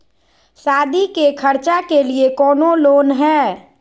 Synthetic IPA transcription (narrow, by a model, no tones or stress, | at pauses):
saːd̪ikekʰəɾt͡ʃakeliekɔːnoloːnɦɛː